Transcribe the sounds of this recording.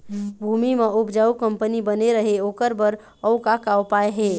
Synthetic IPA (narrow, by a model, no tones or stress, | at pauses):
bʱumimeupd͡ʒaːukəmpənibəneɾəɦeoːkəɾbəɾ | əʊkakawpaeɦe